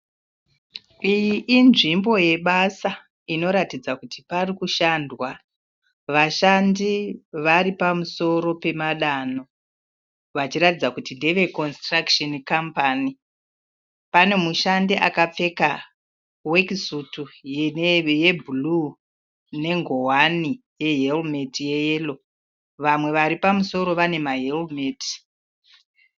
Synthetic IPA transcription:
ijiʔːnʐimbo̞je̞ɓasa | ino̞ɾatid͡zakutiparikuʃandwa | ʋaʃandiʋaɾipamuso̞ɾo̞pe̞maɗano̞ | ʋat͡ʃiɾatid͡zakutindeʋe̞ko̞nstrakʃonkampani | pane̞muʃandeʔa̰kap͡fe̞ka | wekisutujejebʱulu | ne̞ŋɡo̞wani | je̞ɦelmetije̞jeːlo̞ | ʋamwe̞ʋaɾipamuso̞ɾo̞ʋane̞maɦelmeːti̥

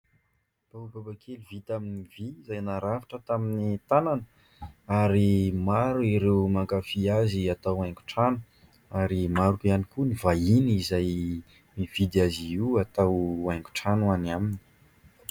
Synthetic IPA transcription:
b̥aubabakʰeluvit̪aminiviːzajnaɾavaʈ͡ʂət̪aminit̪ananə | aɾimaɾuiɾewmakafiaziat̪awaj̃ku̥ʈ͡ʂanu | aɾimaɾukianikunivainizaj | miv̥id̪iaziiwat̪awajŋku̥ʈ͡ʂanuanamini̥

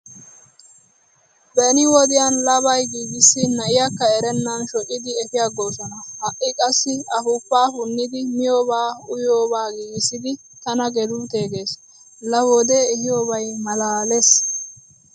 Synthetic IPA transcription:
bɛnɪwɔd̪ɪjanlɐbɐjɡiːɡɪsːɪnɐʔɪjɐkːɐɛɾɛnːɐnʃɔʔʼːɪd̪ɪɛfɪjaɡoːsɔnɐhɐʔːɪkʼɐsːɪɐfʊpːaːhʊnːɪd̪ɪmɪjoːbaːʊjoːbaːɡiːɡɪsːɪd̪ɪ | t̪ɐnɐɡɛd̪uːt̪eːɡe̞ːs | lɐwɔd̪eɛhɪjoːbɐjmɐlaːles

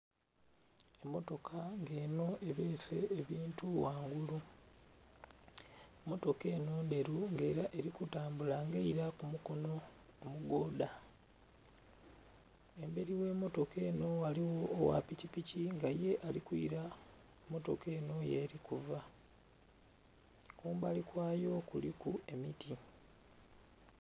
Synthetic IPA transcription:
e̞mːo̞to̞kʰaŋɡe̞ːno̞e̞βe̞ːse̞̰ːβiːntuwaːŋɡulu | emːo̞to̞ke̞ːnoːnde̞ɾuŋɡe̞ːɾaʔe̞ɾikutaːmbulaŋɡeiɾakumuko̞no̞ː | muɡo̞ːda | e̞mbe̞ɾiwe̞mo̞to̞ke̞ːno̞aliwoːwa̰picipiciŋɡaje̞ʔalikwḭɾa | mo̞to̞̰ke̞ːno̞je̞̰ːɾikuva | kuːmbalikwaːjo̞kulikue̞mitʰi

